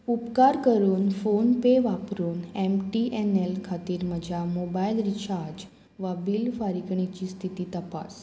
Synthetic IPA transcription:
upkaɾkəɾunfonpeʋapɾunɛmʈiʔɛnelkʰat̪iɾməd͡ʒamobailɾit͡ʃaɾd͡ʒ | ʋabilfaɾikɳ̃it͡ʃist̪ʰit̪it̪əpa̰s

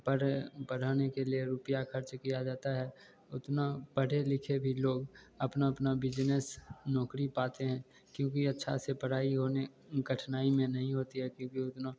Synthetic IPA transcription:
pəɽpəɽ̤aːnekelijeɾupɪjaxɐɾt͡ʃkijad͡ʒaːt̪aɦɛ | ʊt̪napəɽ̤elɪkʰebʱiloːɡ | ɐpnaɐpnabɪd͡ʒnesnɔːkɾipaːt̪eɦɛ̃ː | kjõːkiɐtːʃʰa̰sepəɽ̤aːiɦoːne | ɡɐʈʰnaːimẽnɐɦĩɦoːt̪iɦɛkjõːkiʊt̪no

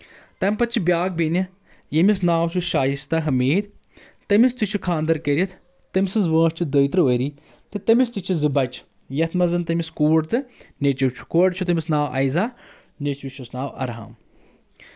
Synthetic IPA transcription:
t̪ɐmʲpɐt͡ʃʰibjaːɡ̚beni | jɐmisnaːwt͡ʃʰuʃaːjist̪ɐɦɐmeːd̪ | t̪ɐmist̪it͡ʃʰukʰaːnd̪ɐɾkɐɾʲɐt̪ʰ | t̪ɐmʲisɨzʋə̃ːʃt͡ʃʰid̪əjt̪ɾɨʋəɾi | t̪ɨt̪ɐmist̪it͡ʃʰizɨbɐt͡ʃʰ | jɐt̪ʰmɐzɐnt̪ɐmʲiskuːɖt̪ɨnet͡ʃɐwt͡ʃʰu̥koːɖt͡ʃʰut̪ɐmʲisnaːwʔɐ̰jzaː | net͡ʃʋiʃusnaːwɐ̰ɾɦa̰ːm

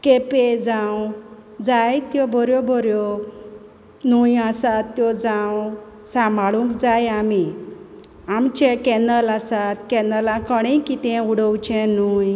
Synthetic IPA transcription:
keped͡zãwd͡zajt̪jɔbʱɔɾjɔbʱɔɾjɔ | nujasat̪ːjɔd͡zãw | sãmaɭũŋkd͡zajami | amt͡ɕɛkɛnəlasat̪kɛnəlãkəɽ̃ĩjkit̪ɛ̃uɽəwt͡ɕɛ̃nuj

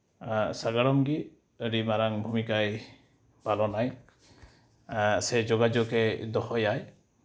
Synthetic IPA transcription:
saɡaɾɔmɡi | ɾimaɾaŋbʱumikaj | palɔnaj | sɛd͡ʒɔɡad͡ʒɔkɛd̪ɔhɔjaj

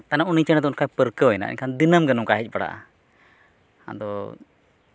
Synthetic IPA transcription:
t̪anaunit͡ʃənad̪ɔunkʰapəɾkəɔɛna̰ʔḭɲkʰand̪inəmɡənumkaɦic̚ˀbaɽa̰ʔa̰ | a̰d̪ɔ

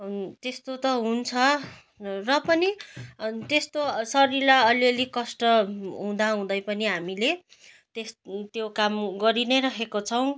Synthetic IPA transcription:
t̪est̪ot̪ʌɦunt͡sʰʌ | rʌpʌni | t̪est̪osʌɾilaʌliʌlikʌsʈʌɦũd̪aɦũd̪ʌjpʌniɦamile | t̪est̪jokamɡʌɾinʌjɾʌkʰekot͡sʰʌw̃

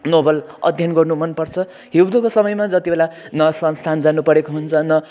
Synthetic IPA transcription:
nobʌlʌ̰d̪ʱjʌnɡʌrnumʌnpʌrt͡sʰʌ | ɦiwd̪okosʌmʌjmad͡zʌt̪ibelanʌsʌnst̪ʰand͡zanupʌɾekoɦunt͡sʰʌnʌ

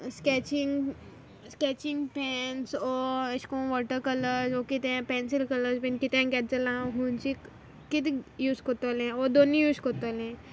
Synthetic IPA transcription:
skɛt͡ɕiŋɡ | skɛt͡ɕiŋɡpɛnsɔəɕkõʋɔʈəɾkələɾsʋɔkit̪ɛ̃pɛnsilkələspinkit̪ɛ̃kɛd͡zəlãɦũnt͡ɕikː | it̪ijuːskot̪olɛ̃ʋɔd̪onijuːskot̪olɛ̃

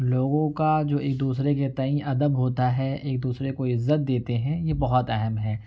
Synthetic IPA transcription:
loːɡõkad͡ʒoːeːk̚d̪uːsɾeket̪ɐĩɐd̪əbɦoːt̪aɦɛeːk̚d̪uːsɾekoɪzːət̪̚d̪eːt̪eɦɛ̃jebɐɦɔt̪ɛɦɛmɦɛː

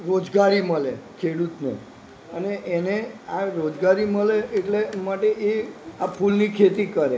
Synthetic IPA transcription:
ɾod͡ʒɡaɾiməlekʰeɽut̪nḛ | əneʔeneaɾod͡ʒɡaɾiməleeʈlemaʈeeapʰulnikʰet̪ikəɾe

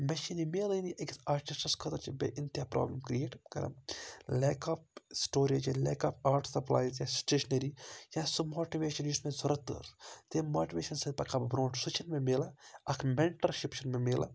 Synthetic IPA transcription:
mɐʃinimeːliniʔɐksaːɾʈisʈɐskʰɐt̪ɐt͡ʃʰibḛʔint̪jaːpɾa̰ːblɐmkɾijeːʈbkɐ̰ɾɐ̰mleːkʰaːp̚sʈoːɾid͡ʒilḛːkaːpaːɾʈsɐpla̰ːjzjasʈeːʃnɐɾijasumoːʈiʋeːʃɐnismẽzɐɾɐt̪ːə̰ɾt̪emoːʈiʋeːʃɐnsɐpɐkabɾõːʈsut͡ʃʰɐnmẽmeːlaɐkʰmeɳʈɐɾʃipʃɐnmemeːla̰

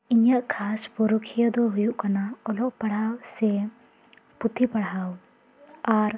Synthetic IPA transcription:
iɲjaʔkʰaspɔɾukʰijəd̪ɔɦujuʔkanaɔlɔʔpaɽ̤awsɛ | put̪ʰipaɽ̤aw | aɾ

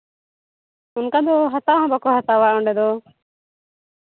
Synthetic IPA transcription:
ʊnkad̪ɔɦat̪aɦɔ̃bakɔɦat̪awaʔɔ̃ɳɖɛd̪ɔ

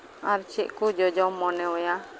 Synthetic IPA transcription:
aɾt͡ʃiʔkud͡ʒɔd͡ʒɔmɔnɛuja

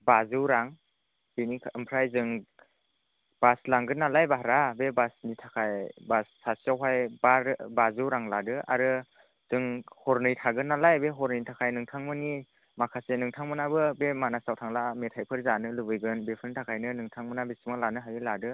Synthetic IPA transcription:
bazɯwɾaŋ | binikʰɯmpʰɾajzɯŋ | b̥aslaŋɡɯnːalajbaɦɾabebasnitʰakʰajbasːasiawɦajbaɾbazɯwɾaŋladɯʔa̰ɾɯ | z̥ɯŋhɔɾnɯjtʰaɡɯnːalajbeɦɔɾnɯjtʰakʰajnɯŋtʰaŋmɯni | makʰasenɯŋtʰaŋmɯnabɯbemanasawtʰaŋlametʰajpʰɯɾzanɯlɯbɯjɡɯnbepʰɯntʰakʰajnɯnɯŋtʰaŋmɯnabesimalanɯɦajɯladɯ

